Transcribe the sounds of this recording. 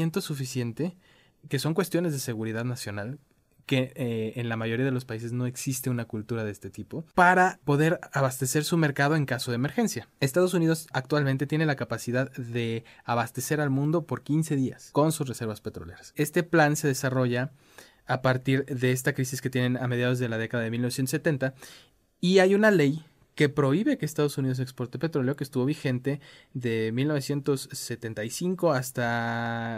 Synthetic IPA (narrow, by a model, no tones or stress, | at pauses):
ent̪o̞sufisje̞nt̪e̞ | ke̞so̞ŋkwe̞st̪jo̞ne̞zðe̞se̞ɣuɾiðaðnasjo̞nal | ke̞ːnlamaʝo̞ɾiaðe̞lo̞spaise̞zno̞e̞ksist̪e̞unakult̪uɾaðe̞st̪e̞t̪ipo̞paɾapo̞ðe̞ɾaβast̪e̞se̞ɾsume̞ɾkað̞o̞e̞ŋkaso̞ð̞eemeɾxe̞nsjaest̪að̞o̞s̬unið̞o̞sak̚t̪walment̪e̞t̪je̞ne̞lakapasiðaððe̞aβast̪e̞se̞ɾalmũnd̪o̞po̞ɾkinse̞ðia̰sko̞nsuzrese̞ɾβaspe̞t̪ɾole̞̰ɾḁse̞st̪e̞planse̞ðe̞saro̞ʝaː | paɾt̪iɾðe̞es̬t̪akɾisiske̞t̪je̞ne̞name̞ð̞jað̞o̞zðelað̞e̞kaðaðemilnosjent̪se̞t̪e̞nt̪a | iajunale̞j | ke̞pɾo̞iβe̞ke̞ːst̪að̞o̞suniðos̬e̞kspo̞ɾt̪epe̞t̪ɾo̞leo̞kest̪uβo̞βixe̞nt̪e̞ðe̞milnoe̞sje̞nt̪o̞sːe̞t̪e̞nt̪ajsiŋko̞ast̪a